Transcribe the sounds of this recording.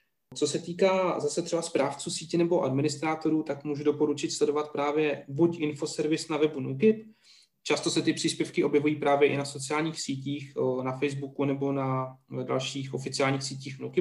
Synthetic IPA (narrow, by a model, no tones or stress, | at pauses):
t͡so̞sɛt̪iːkaːzasɛt̪r̥ɛbaspɾaːft͡suːsiːcɛnɛbo̞ʔadmɪnɪst̪ɾaːt̪o̞ɾuːt̪akmuːʒudo̞po̞ɾut͡ʃɪt̪slɛdo̞vat̪̚pɾaːvjɛbucʔɪnfo̞sɛɾvɪsnavɛbunukɪp | t͡ʃast̪o̞sɛt̪ɪpr̝̥iːspjɛfkɪʔo̞bjɛvujiːpɾaːvjɛʔɪnaso̞t͡sɪaːlɲiːxsiːciːxnafɛjzbukunɛbo̞nada̰lʃiːxʔo̞fɪt͡sɪaːlɲiːxsiːciːxnukɪp̚